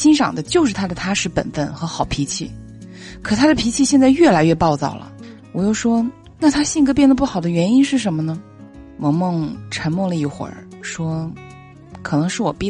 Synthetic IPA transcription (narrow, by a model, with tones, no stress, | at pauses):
ɕi˥nʂɑ̰˨˩ŋd̪ə˦t͡ɕjo˥˧ʊʂ̬ɻ̩˥˩t̪ʰa˥d̪ə˨t̪ʰa˥ʂɻ̩˥˩pə̰˨˩nfə˥˩nxɤ˧˥xɑ˨˩ʊpʰi˧˥t͡ɕʰi˥˩ | kʰɤ˨˩t̪ʰa˥d̪ə˨pʰi˧˥t͡ɕʰi˥˧ɕjɛ˥˧nt͡sa˥˧ɪɥɛ˥˩la˧˥ɪɥɛ˥˧pɑ˥˧ʊt͡sɑ̰˥˩ʊlə̰˩ | wɔ˨˩jo˥˩ʊʂwɔ˥ | na˥˩t̪ʰa˥ɕi˥˧ŋɡɤ˥p̬jɛ˥˩nd̪ə˩p̬u˥˩xɑ˨˩ʊd̪ə˦ɥɛ˧˥ni˥nʂɻ̩˥˩ʂə˧˥nmə˧nə˩ | mɔ˨˧˥mɤ˥˩ŋʈ͡ʂʰə˧˥nmwɔ˥˧ŋlə˧i˥˩xwə̰˨˩˥ | ʂwɔ˥ | kʰɤ˨˩nɤ˧˥ŋʂɻ̩˥˩wɔ˨˩pi˥˩